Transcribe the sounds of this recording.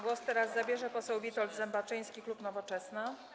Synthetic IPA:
ɡwɔst̪ɛɾazzabʲjɛʐɛpɔsɛwvʲit̪ɔld̪zɛmbat͡ʂɘj̃skʲiklupnɔvɔt͡ʂɛsna

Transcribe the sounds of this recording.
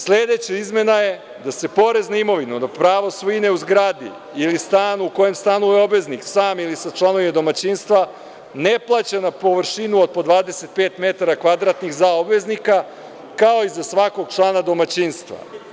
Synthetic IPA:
sled̪e̞t͡ɕaizme̞naje̞ | d̪ase̞po̞ɾe̞znaimo̞ʋinud̪apɾaːʋosʋuineuzɡɾaːd̪ḭ | ilist̪aːnuko̞je̞mst̪anueo̞bʋe̞zniksaːmilisat͡ʃlˠano̞ʋimad̪o̞mat͡ɕinst̪ʋa | ne̞plˠat͡ɕanapo̞ʋɾʃinuod̪̚po̞d̪ʋaːd̪ese̞t̪̚pe̞ːt̪me̞t̪aɾakʋad̪ɾat̪nixzaobʋe̞znika | kao̞izasʋako̞ɡ̚t͡ʃlˠaːnad̪o̞mat͡ɕinst̪ʋa̰

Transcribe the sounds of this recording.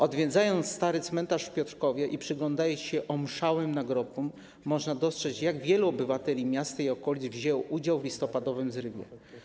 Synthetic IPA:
ɔd̪vʲjɛd̪zajɔnt̪sst̪aɾɘt̪smɛnt̪aʂfpʲjɔt̪ɾkɔvʲjɛʔipʂɘɡlɔnd̪ajɔɕɛʔɔmʂawɘmnaɡɾɔpumː | ɔʐnad̪ɔstʂɛt͡ɕjaɡvʲjɛluɔbɘvat̪ɛlʲimʲjast̪aiɔkɔlʲid̪zvʑɛwʔud͡ʑawvlʲist̪ɔpad̪ɔvɘmzɾɘbjɛ̰

